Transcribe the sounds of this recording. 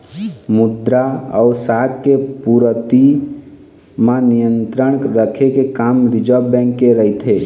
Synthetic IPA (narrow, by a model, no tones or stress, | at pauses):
mud̪ɾaə̰ʊsakkepuɾət̪i | mãnijənt̪ɾəɳɾəkʰekekamɾid͡ʒəbɛ̃ŋkːeɾəɦit̪ʰe